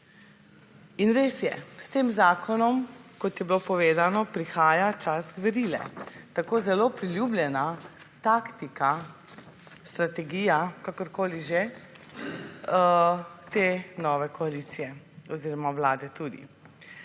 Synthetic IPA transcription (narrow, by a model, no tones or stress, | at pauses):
inɾeːsjɛ̰st̪eːmzaːkʰɔnɔmkɔt̪jɛbiloːpɔʋeːzanɔpɾixaːjat͡ʃasɡʋɛɾiːlɛ̰t̪akoːzɛloːpɾiljuːblʲjɛna | t̪akt̪ika | st̪ɾat̪ɛɡiːjakakɔɾkoːliʒe | t̪enɔːʋɛkɔalit̪sijɛ | ɔziːɾɔmaʋlaːd̪ɛt̪uːd̪ḭ